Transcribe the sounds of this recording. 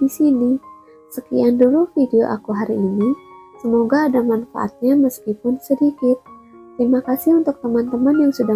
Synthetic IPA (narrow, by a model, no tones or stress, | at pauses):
disini | səkiandulufideo̰ʔakuɦaɾiːnisəmoɡaːdamanfa̰ʔa̰t̪̚ɲaməskipʊnsədikɪt̪̚ː | ɾimakasɪhunt̪ʊk̚t̪əmant̪əmanjaŋsuda